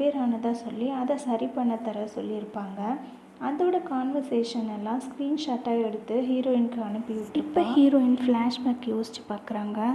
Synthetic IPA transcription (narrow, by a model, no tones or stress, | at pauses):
peːɾaːnɐt̪ãːsɔlːiɐðɐsɐɾipɐɳːɐt̪ːɐɾɐsɔ̰lːiɪɾɯpːaːŋɡɐ | ɐðoːɽɐkaːnʋɐɾseːʂɐnɛlːãːskɾiːnʂaːʈːaːɛɽɯt̪ːɯɦiːɾoːɪnkɯɐnɯpːɪjʊʈːɪpːɐhiːɾoːɪnflaːʂmɐːkːjoːsɪ̥t͡ʃːɯ̥paːɾkɪɾaːŋɡɐ